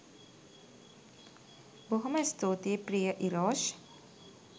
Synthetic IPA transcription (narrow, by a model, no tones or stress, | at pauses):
boɦumɐst̪oːt̪epɾijəʔiɾɔːʃ